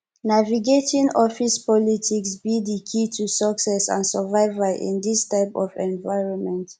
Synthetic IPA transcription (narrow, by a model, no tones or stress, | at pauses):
naviɡetĩnɔfispɔlitʰiksbidikʰitʰusəksɛsã̰nsəvaɪvəʔḭ̃nd̪istaɪpɔ̰vɛ̃nvaɪɹɔ̃nmɛ̃nt